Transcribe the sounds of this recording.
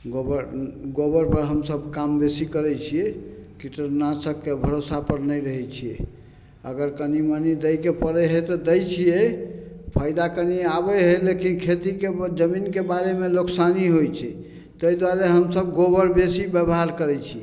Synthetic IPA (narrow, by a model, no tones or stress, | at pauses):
ɡobəɾɡobəɾpəɾɦəmsəbkambesikəɾɛt͡ʃʰijɛkiʈəɾnasəkːebʱəɾosapəɾnəjɾəɦɛt͡ʃʰijɛ̰ | əɡəɾkənimanid̪əjkepəɾɛɦet̪ɔd̪əjt͡ʃʰije | pʰajd̪akəniabəɦəlekinkʰet̪iked͡ʒəminkebaɾemeloksaniɦojt͡ʃʰɛ | t̪əjd̪waɾeɦəmsəb̚ɡobəɾbesibəbɦaɾkəɾɛt͡ʃʰi